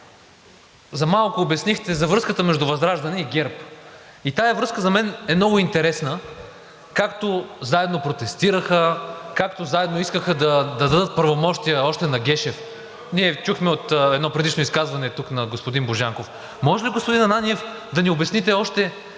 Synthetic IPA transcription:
zɐmalˠkʊːbɛsnixt̪ɛzɐvɾɤskət̪əmɛʒd̪ʊvɐzɾaʒd̪ɐnɛiɡʲɛɾpit̪aɛvɾɤskəzɐmɛnɛmnɔɡʊint̪ɛɾɛsnə | kakt̪ozaɛd̪nopɾot̪ɛst̪iɾəxəkakt̪ozaɛd̪noiskəxəd̪ɐd̪ɐd̪ɐd̪ɤt̪̚pəɾvomɔʃt̪ijəɔʃt̪ɛnɐɡʲɛʃɛf | niɛt͡ʃuxmɛot̪ːɛd̪nɔpɾɛd̪it͡ʃnoiskazvɐnɛt̪uknɐɡospʊd̪inboʒaŋkof | mɔʒɛliɡospʊd̪inɐnanijɛf | d̪ɐniobɛsnit̪ɛɔʃt̪ɛ

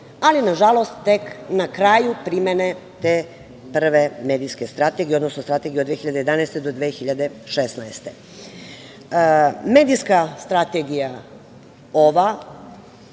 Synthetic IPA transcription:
alinaʒalˠo̞st̪t̪e̞knakɾaːjupɾimenet̪e | pr̩ʋeme̞ːd̪iske̞st̪ɾat̪e̞ɡieod̪nosnost̪ɾat̪e̞ɡieod̪ʋexiʎad̪ejed̪anaeːst̪e̞d̪o̞d̪ʋexiʎad̪e̞ʃesnaest̪e̞ | me̞ːd̪ijskast̪ɾat̪e̞ɡija | oʋa

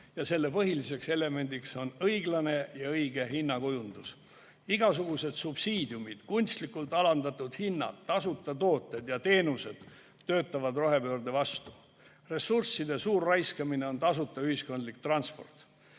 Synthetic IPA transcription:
jɑse̞lːe̞pɤɦilise̞kse̞le̞me̞nʲd̪ikso̞nɤjɡlɑne̞jɑɤjɡe̞ɦinːɑkujund̪̥us | iɡ̥ɑs̬uɡ̥use̞d̪̥sub̥siːd̪jumid̪̥kunʲst̪likːˑult̪ˑɑlɑnd̪ɑt̪ːˑud̪̥hinːɑ̰d̪t̪ːɑsut̪ːˑɑt̪o̞ːt̪ːˑe̞d̪jɑt̪e̞ːnuse̞d̪̥ | t̪ːø̞ːt̪ːˑɑvɑd̪ro̞ɦe̞pø̞ːrd̪e̞vɑst̪u̥ | re̞sursːid̪e̞suːrːɑjskɑmine̞o̞nt̪ɑsut̪ːˑɑyhisko̞nd̪lik̚t̪rɑnspo̞̰rt̪ˑ

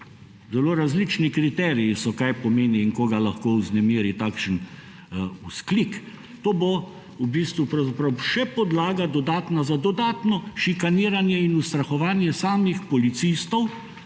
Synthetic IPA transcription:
zɛloːɾazlit͡ʃnikɾit̪ɛːɾijisɔkajpɔmeːniːŋkoːɡalaxkowznɛmiːɾit̪aːkʃən | usklik | t̪oːbo | ubiːst̪ʋupɾawzapɾawʃɛpɔd̪laːɡad̪ɔd̪aːt̪nazad̪ɔd̪aːt̪nɔʃikaniːɾanjɛinust̪ɾaxɔʋaːnjɛsaːmixpɔlit̪sist̪ɔw

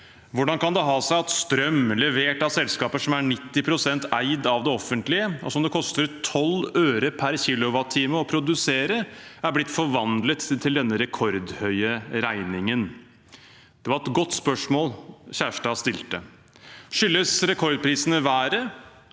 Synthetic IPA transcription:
ʋʊɖɑnkɑnd̪ɛɦɑːsæɪɑt̪st̪ɾœmlɛʋeːʈɑʋsɛlskɑːpəʂɔmæɳɪt̪ːɪpʰɾʊsɛnt̪æɪd̪ɑʋd̪ɛɔfːənt̪lɪəʔɔ̰sɔmd̪ɛkʰɔst̪əɾt̪ʰɔløːɾəpʰæɾçiːlʊʋɑt̪ʰːiːməɔpʰɾʊd̪ʉseːɾəæɾblɪt̪ːfɔɾʋɑnd̪lət̪ʰːɪld̪ɛnːəɾɛkʰɔɾd̪hœʏəɾæɪnɪŋən | d̪̥ɛʋɑɾɛt̪ɡɔt̪ːspœʂmoːlçæːʂʈɑːst̪ɪlt̪ə | ʂʏlːəsɾɛkʰɔɾd̪̚pʰɾiːsənəʋæːɾə

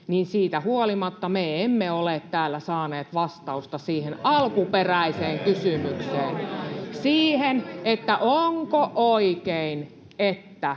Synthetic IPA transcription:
niːnsiːt̪æhuolimɑt̪ːɑmeemːeoleˑt̪tæːlːæsɑːneːt̪ʋɑst̪ɑust̪ɑsiːhenɑlkuperæiseːŋkysymykseːnsiːhenet̪ːæʔoŋkoʔoikein | et̪ːæ

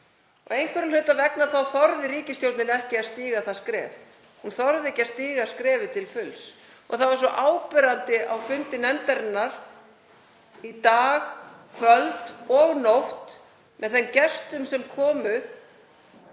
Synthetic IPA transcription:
ɔ̰ɣejnkʰɛɾɪnlʏːt̪ːavɛknaθawθɔɾðɪɾiːcɪst̪jowt̪nɪnɛhcɪḁst̪iːɣaθaskɾɛ̰ːv | hunθɔɾðɪɛhcast̪iːɣaskɾɛːvɪt̪ʰɪlfʏls | ɔ̰ɣθavaɾ̥sɔʔaːwpɪɾant̪ɪʔawfʏnt̪ɪnɛmt̪ɛɾɪnːaɾ̥ | it̪aːɣkʰvœlt̪ɔɣnowht̪ | mʔɛðθɛmcɛst̪ʏmsɛmkʰɔːmʏ

